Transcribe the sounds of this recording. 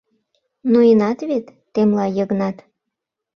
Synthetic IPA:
noinɑt̪βet̪ːemlɑjəɣnɑt̪

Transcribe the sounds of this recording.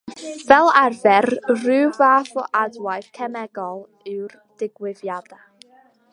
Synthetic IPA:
vɛlˠarvɛrrɨːvaːfɔ̰ʔadwajθkʰɛmɛɡɔlˠ | ɨwr | d̥ɪɡwɪvjada

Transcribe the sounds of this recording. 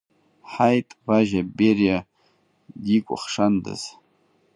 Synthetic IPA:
ħajtʼbaʒaberja | dikʷʼʊ̰χʂandɨ̰z̥

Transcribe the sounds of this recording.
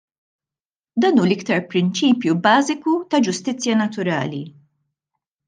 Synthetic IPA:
d̪ɐːnuːlɪkt̪ɐɾpɾɪnt͡ʃiːpjubɐːzɪkut̪ɐd͡ʒʊst̪ɪt͡sːjɐnɐt̪ʊɾɐ̰ːlḭ

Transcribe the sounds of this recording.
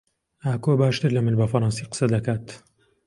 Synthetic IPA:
ʔaːkoːbaːʃt̪ɨɾlɐmɨnbɐfɐɾˤɑnsiqə̥sɐd̪ɐkaːt̪

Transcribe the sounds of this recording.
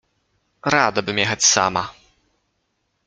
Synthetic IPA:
ɾad̪abɨmʲɛxat͡sʲsa̰ma

